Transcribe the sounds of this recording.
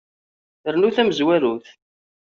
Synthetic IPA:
θəɾnuθæməzwæɾuθ

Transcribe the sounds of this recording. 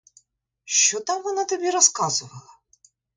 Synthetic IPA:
ʃt͡ʃɔt̪ɑmʋɔnat̪ɔbʲiɾɔskɑzʊʋɐlˠɐ

